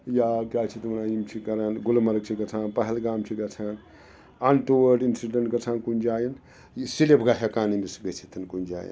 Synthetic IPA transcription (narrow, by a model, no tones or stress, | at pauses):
jaɡʲaːt͡ʃʰit̪unaːjimt͡ʃʰikɐɾanɡulmɐɾɡ̚t͡ʃʰiɡɐt͡sʰaːnpɐɦɐlɡaːmt͡ʃʰiɡɐt͡sʰaːn | ɐnʈowɐɖinsiɖɐɳʈɡɐt͡sʰaːnkund͡ʒaːjɐn | silepʰɡaɦekaːnimisɡɐt͡ʃʰit̪ʰɐnkunʲd͡ʒa̰ːjḭn